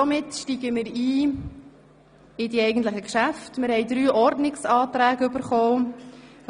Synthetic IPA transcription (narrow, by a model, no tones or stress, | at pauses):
ɔmɪtʃtiːɡəmɪɾiː | ɪdiɛjɡən̩tləχəkʃæftmɪɾhɛɪdɾyːʔɔɾdnɪksɑːt̪ɾæːɡʏbəɾχoː